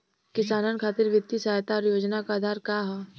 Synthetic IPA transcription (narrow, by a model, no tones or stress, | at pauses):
kɪsaːnənkʰaːt̪ɪɾʋɪt̪ːisaːjt̪aɔɾjoːd͡ʒnakaːd̪ʱaːɾkaɦɛː